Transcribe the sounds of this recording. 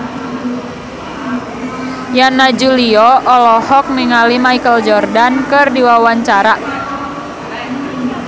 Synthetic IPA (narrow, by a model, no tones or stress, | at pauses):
janad͡ʒuliɔʔɔlɔhɔk̚niŋalimaikəld͡ʒɔrdankɨrdiwawaɲt͡ʃaɾa